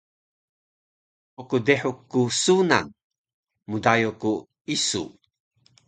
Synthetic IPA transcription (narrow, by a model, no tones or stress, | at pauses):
okudeħukːusuna̰n | mudajoku | isṵ